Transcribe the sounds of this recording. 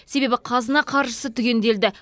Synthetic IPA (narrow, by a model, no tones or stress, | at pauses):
se̞be̞bɪqʰɑzənɑqʰɑɾʃəsət̪ʰʏɡʲe̞nd̪e̞ld̪ɪ